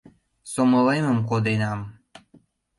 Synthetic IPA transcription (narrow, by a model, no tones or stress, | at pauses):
soməleməmkod̪enɑm